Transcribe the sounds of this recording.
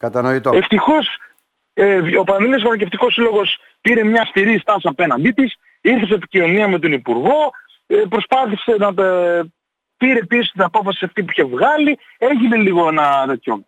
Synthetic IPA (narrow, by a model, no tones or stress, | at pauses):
kɐt̪ɐnoit̪oe̞ft̪ixo̞s | evopɐnnðilosmɐnɐceft̪iko̞silo̞ɣos | piɾe̞mɲɐst̪iɾist̪ɐsiɐpe̞nɐnd̪it̪is | iɾθesepicio̞niɐme̞t̪o̞nipuɾɣo̞ | pɾo̞spɐθise̞nɐ | piɾe̞pisost̪inɐpo̞fɐsi̥sɐft̪ipuiçe̞vɣɐli | e̞ʝine̞liɣoe̞nɐðet̪ʰço̰m